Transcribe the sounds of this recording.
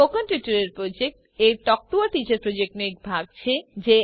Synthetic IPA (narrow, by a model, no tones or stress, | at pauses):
okanʈuʈaɾeɾpɾod͡ʑek̚ʈ | eɾʈɔk̚ʈuaɾʈit͡ɕaɾpɾod͡ʑek̚ʈmek̚bʱaɡ̚t͡ɕʰed͡ʑe